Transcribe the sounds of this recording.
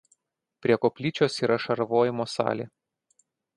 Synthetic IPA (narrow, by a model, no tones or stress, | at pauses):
pʲɾʲiɛkopʲlʲiːt͡ʃʲoːsiːɾɐʃɐɾʋoːjɛmoːsɑ̰ːlʲḛ